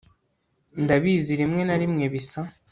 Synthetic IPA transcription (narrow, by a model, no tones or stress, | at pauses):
ndaβiːziɾimŋe̞naɾimŋe̞βisa